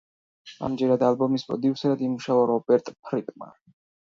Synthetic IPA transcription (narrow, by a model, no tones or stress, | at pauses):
a̰md͡ʒɛɾad̪albɔmisbɔ̰d̪iusɛɾad̪imuʃavɔɾɔpʼɛɾt̪ʼpʰɾit̪ʼma̰